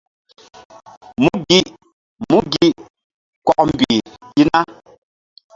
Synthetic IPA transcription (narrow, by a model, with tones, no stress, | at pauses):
mu˦ɡi˦ʔ | mu˦ɡi˦ʔ | kɔ˨k̚m̩˨bi˨ji˦na˦